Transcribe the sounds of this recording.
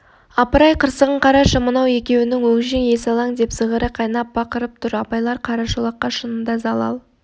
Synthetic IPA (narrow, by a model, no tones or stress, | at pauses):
ɑpəɾɑjqʰəɾsəʁəɴqʰɑɾɑʃəmənɑwe̞kʲe̞wɪnɪŋwɵŋʒeŋje̞sɑlˠɑŋd̪e̞psəʁəɾəqʰɑjnɑp̚bɑqəɾəp̚t̪ʰʊɾɑpɑjlˠɑɾqʰɑɾɑʃulˠɑqːɑʃənənd̪ɑzɑlˠɑ̰lˠ